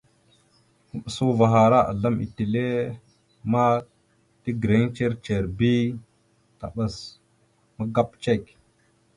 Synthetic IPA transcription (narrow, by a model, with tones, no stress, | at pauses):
mə˨ɓə˨su˦va˨ɦa˨ɾa˦ʔa̰˨ɮa˦mḭ˨ti˨le˦ | ma˦ | ti˦ɡɾe˨˦ŋt͡ʃe˦ɾt͡ʃe˨ɾbi˦ | ta̰˨ɓə˨s | ma˦ɡa˦pt͡ʃe˦˨k